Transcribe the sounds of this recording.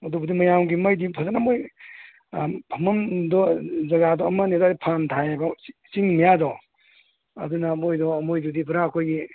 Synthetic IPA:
ɐdubɐdimɐjawɡimɐjdipʰazanamoj | pʰɐmɐmdɔzɐɡadɔɐmɐnidɔdipʰantʰajabasiŋmijadɔ | ɐ̰dunɐmojdɔɐmojdudibɾaɐkʰojɡi

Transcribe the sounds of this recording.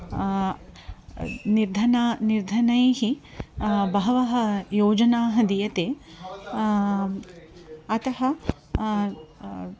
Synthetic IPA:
niɾd̪ʱɐnaniɾd̪ʱɐnɐjhi | bɐɦɐʋɐɦɐjoːd͡ʒɐnaːɦɐd̪ijɐt̪eː | ɐt̪ɐɦɐ

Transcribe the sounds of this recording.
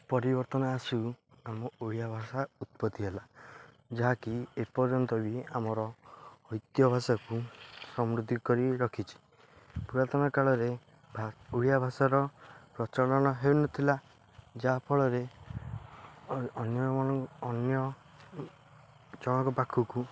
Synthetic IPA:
pɔɾibɔɾt̪ɔnaːsu | amɔuɭijabʱasaut̪̚pɔd̪iɦela | d͡ʒaɦakiepɔɾd͡ʒɔnt̪ɔbiamɔɾɔɔjt̪jɔbʱasakusɔmɾud̪ʱikɔɾiɾɔkʰit͡ʃʰi̥ | puɾat̪ɔnakaɭɔɾe | bʱuɽijabʱasaɾɔpɾɔt͡ʃaɭɔɽ̃ɔɦewnɔt̪ʰila | d͡ʒapʰɔɭɔɾe | ɔnjɔɔɔːnjɔ | d͡ʒɔɽ̃ɔkɔpakʰuku

